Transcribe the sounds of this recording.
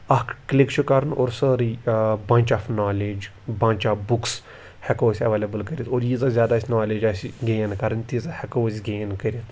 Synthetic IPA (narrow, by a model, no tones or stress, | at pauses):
ɐkklikt͡ʃʰukɐɾəno̰ːɾsəɾibɐ̃nt͡ʃaːfnaːleːd͡ʒ | bãːnʲt͡ʃaːbuks | hɛkoːsʲɐʋeːlɐbəlkəɾʲit̪oːɾjizazʲaːd̪aːsʲnaːleːd͡ʒasɡeːnkɐɾənt̪izahɐkoːsʲɡeːnkəɾʲit̪ʰ